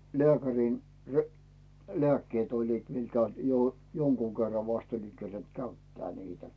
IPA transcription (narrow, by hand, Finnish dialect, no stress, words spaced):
leækæriˑn re leækːeːt olʲliːt miŋkæ jo joŋkuː kerːɑ ʋɑst oliŋ kerent kæytːæː niːtæ